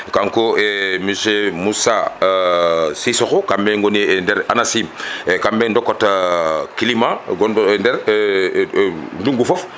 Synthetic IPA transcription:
kaŋkoemiʃemusa | sisoxokambeŋɡonindɛɾanasimekambendokot | kilimaɡonndɛɾ | nduŋɡufof

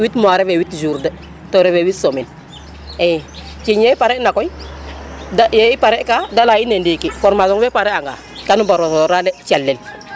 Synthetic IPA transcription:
witmoaɾɛvewitd͡ʒuɾdə | toɾewewitsomin | e | kiɲjeipaɾɛnakoi | dajeipaɾɛʔkadalajinendikifɔɾmazɔŋwepaɾeaŋɡa̰ | kanubaɾotoɾalet͡ʃalːel

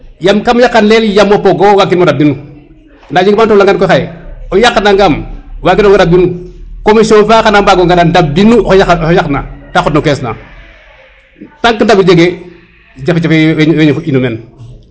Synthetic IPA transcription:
jamkamjakːanleljamopoɡowaɡimodab̚dinu | ndad͡ʒiɡmantulaŋɡankojxajojaknaŋɡamwaɡinoɡodab̚dinukomisonfaxanambaɡoŋɡanandab̚dinujajakna̰taxotnokesna̰ | taŋkːəndabiɾd͡ʒeɡe | d͡ʒafet͡ʃafeeɲinumen

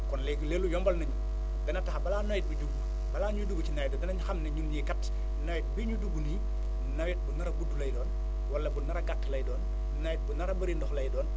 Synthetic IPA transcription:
kɔnlɛɡuleːlːujɔmbɐlnɐɲu | dɐnɐtɐxɐbɐlaːnojɛt̚biɟuɡ | bɐlaːɲuduɡucinajdɔːdɐnɐɲuxɐmnɛɲulɲikɐtː | nɐwɛt̚biɲuduɡuni | nɐwɛt̚bunɐɾɐɡutːulɐjdɔːn | wɐlːɐbunɐɾɐɡatːlɐjdɔːnː | ɐjɛt̚bunɐɾɐbɐɾindɔxlɐjdɔːn

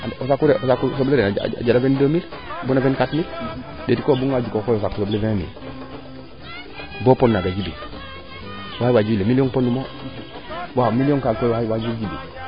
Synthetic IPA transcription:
aosakːuɾeʔosakːusobleɾenaa̰a̰ɟalavendomilbunabenkatmil | detikobuŋaɟukokoːjos̬akːusoblevẽmḭl | boponːaɡaɟibi | waːiwaːɟibilemilioːnponːimo | wamilionkalkojwaiwad͡ʒilɟibḭ

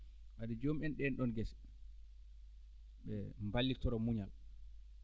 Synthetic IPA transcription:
ʔadid͡ʒomɛnɗɛnɗɔnɡɛsɛ̥ | ɓɛmbalːitɔɾɔmuɲal

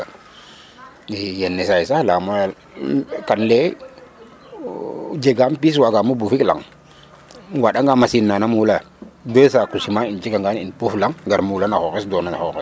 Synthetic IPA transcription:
jenːesaisahlamo | kanle | d͡ʒeɡampis̬waɡamubufikla̰ŋ | waɗaŋɡamasinːanamula | dəsakusimaint͡ʃikaŋɡaninpuflaŋɡaɾmulanaxokesdonana̰xokɛ

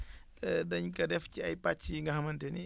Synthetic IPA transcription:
dɐɲkɐdɛfciɐjpat͡ʃːiŋɡɐhɐmɐntɛni

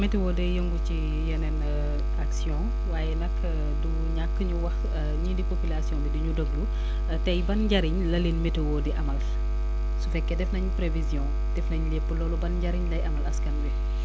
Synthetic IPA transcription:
mɛtewɔdɛjəŋɡuci | jɐnɛn | aksjɔ̃ | waːjɛnɐkː | du | ɲakːəɲuwɐx | ɲidipopilasjɔ̃ːbidiɲudoɡ̚du | tɛjbɐnɟɐɾiɲlɐlinmɛtewɔdiʔɐmɐl | sufɛkːɛdɛfnɐɲpɾevizjɔ̃ | d̥ɛfnɐɲlɛpːəlɔːlɔbɐnɟɐɾiɲlɐjʔɐmɐlɐskɐnbɛ

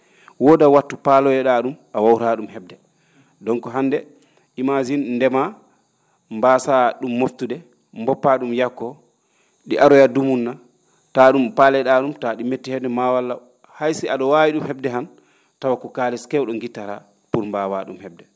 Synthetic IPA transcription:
wɔdawatːupalɔjɛɗaɗumʔawawɾaɗumhɛb̚dɛ | dɔŋkɔɦandɛ | ʔimad͡ʒinndɛma | mbaːsaɗumːoftudɛ | mbɔpːaɗumjakːɔ | ɗiʔaɾɔjadumunːa | taɗumpalɛɗaɗumtaɗimetːihɛbdɛmawalːa | hajsiaɗɔwawiɗumhɛbdɛɦan | tawakɔkaːlɛskɛwɗɔŋɡitːaɾa̰ | puɾmbawaɗumhɛb̚dɛ

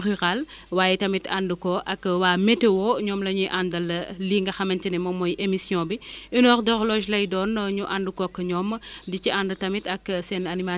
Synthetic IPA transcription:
ryʁal | waːjɛtɐmita̰ndukɔʔɐkːwaːmetewɔɲɔːmlɐɲujʔandɐlliːŋɡɐxɐmɐntinɛmɐmɔjʔemisjɔ̃ːbiinɔːxdɔɣlɔʒlɐjdɔːnɲuʔandukɔkɐɲɔmdiciʔandutɐmitɐksɛnɐnima

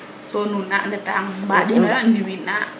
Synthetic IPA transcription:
sonunaʔndət̪aŋbadiandiwinaʔ

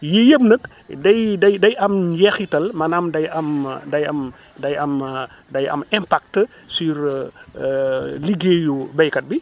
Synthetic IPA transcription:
jijəbnək | dɐjdɐjdɐjʔɐmjɛxitɐlmɐnaːmdɐjɐmdɐjɐm | dɐjɐm | dɐjɐ̰mɛmpak̚tə | siɾ | liɡeːjubɛjkɐt̚bi

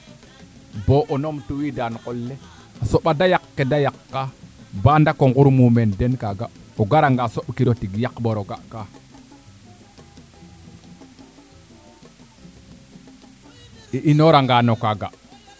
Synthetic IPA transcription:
boʔonomtuwidankolːe | asoɓadajakːedajakːabandakoŋɡuɾmumendenkaɡaoɡaɾaŋɡasoɓkiɾotiɡjakboɾoɡaʔka | iʔinoɾaŋɡaːnokaɡa̰

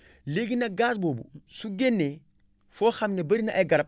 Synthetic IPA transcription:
leɡinaɡaːs̬boːbṵsuɡenːe | foːxamnebɐɾinaʔaɡɐɾap̚

